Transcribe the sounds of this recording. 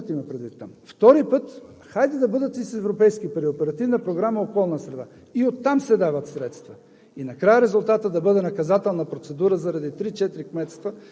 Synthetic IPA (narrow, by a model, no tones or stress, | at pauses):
t̪imɐpɾɛd̪vit̪ːamft̪ɔɾipɤt̪ | xajd̪ɛd̪ɐbɤd̪ət̪isɛvɾopɛjskipɐɾiopɛɾɐt̪ivnəpɾoɡɾaməokɔlˠnəsɾɛd̪a | iot̪ːamsɛd̪avɐt̪sɾɛt̪st̪vɐ | inɐkɾajəɾɛzʊlˠt̪at̪əd̪ɐbɤd̪ɛnɐkɐzat̪ɛlˠnɐpɾot̪sɛd̪uɾəzɐɾɐd̪it̪ɾit͡ʃɛt̪iɾikmɛt̪st̪və